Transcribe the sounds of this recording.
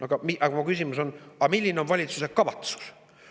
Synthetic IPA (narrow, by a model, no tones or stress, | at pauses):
ɑɡ̥ɑmiʔɑɡɑmɑkysʲimuso̞nɑmilʲːineo̞nvɑlʲit̪suse̞kkːɑvɑt̪su̥s